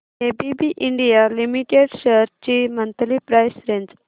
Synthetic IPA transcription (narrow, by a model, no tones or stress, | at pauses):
ebibiʔiɳɖijalimiʈeɖɕəɾt͡ɕimənt̪lipɾajsɾend͡z